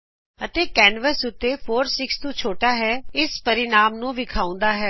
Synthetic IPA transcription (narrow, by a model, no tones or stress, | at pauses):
ət̪eːkɛːnʋəsʊt̪ːeːpʰoːɾsɪkst̪ũːt͡ʃʰoːʈaːɦɛːɪspəɾɪnaːmnũːʋɪkʰaːʊ̃nd̪aːɦɛː